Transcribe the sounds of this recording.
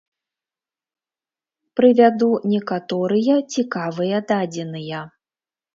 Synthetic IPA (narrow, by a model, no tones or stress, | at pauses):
pɾɨvʲad̪unʲɛkat̪ɔɾɨjɐt͡sʲikavɨjɐd̪ad͡zʲɛnɨjɐ